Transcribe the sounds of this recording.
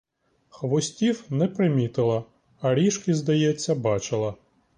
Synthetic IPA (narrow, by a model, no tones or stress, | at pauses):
xʋɔsʲtʲiwnɛpɾɪmʲit̪ɪlˠɐ | ɐɾʲiʃkɪzd̪ɐjɛt͡sʲːɐbɑt͡ʃɪlˠɐ